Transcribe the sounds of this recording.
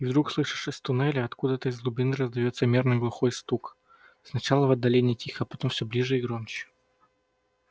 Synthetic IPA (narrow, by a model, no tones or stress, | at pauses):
ivd̪ɾukslˠɨʂɨ̥ʂɪsʲt̪ʊnɛlʲɪɐt̪kud̪ət̪əɪzlˠʊbʲɪnɨɾəzd̪ɐjo̞t̪səmʲernɨjɡlˠʊxo̞jst̪uk | snɐt͡ɕalˠəvɐd̪ːɐlʲenʲɪjtʲixəɐpɐt̪o̞mfsʲɵblʲiʐɨɪɡɾomt͡ɕɪ̥